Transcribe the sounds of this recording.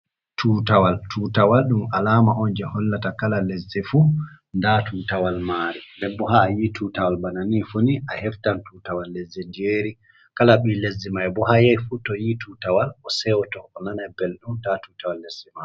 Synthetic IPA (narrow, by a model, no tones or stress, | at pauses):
tʰuːtawaltʰuːtawalɗumalamaʔɔnd͡ʒɛhɔlːatakalalezːɛfu | ndatuːtawalmaːɾimɛbɔɦaːjitʰuːtawalbananifoniʔahɛftantutawalːezɛndieɾi | kalaɓilezːɛmajɛbɔɦajɛjfutɔjitʰutawalɔsɛwtɔɔnanajbɛlɗumtatutawalːezima